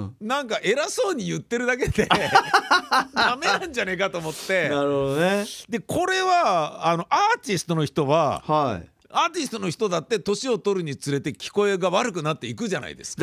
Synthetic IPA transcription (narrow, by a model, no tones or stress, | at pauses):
nãŋkaʔe̞ɾaso̞ːɲ̟ijɯt̪ːe̞ɾɯ̟d̪ak̬e̞d̪e̞ | namenãɲ̟d͡ʑane̞kat̪oːmo̞t̪ːe̞naɾɯɦod̪oned̪e̞kʰo̞ɾe̞βaːno̞ʔaːt͡ɕist̪o̞noçi̥t̪o̞βahaḭ | aːt̪isɨ̥t̪o̞no̞çi̥t̪o̞d̪at̪ːe̞t̪o̞ɕio̞t̪o̞ɾɯ̟ɲ̟it͡sɨɾe̞t̪e̞kʲi̥ko̞e̞ɡaβaɾɯ̟kɯ̟nat̪ːe̞ikɯ̟ʑana̰ḭd̪e̞̰sɨ̥